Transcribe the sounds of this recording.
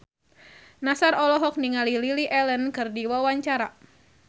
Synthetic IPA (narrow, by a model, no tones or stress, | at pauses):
nasarɔlɔɦɔk̚niŋalililiʔɛlənkɨrdiwawaɲt͡ʃaɾa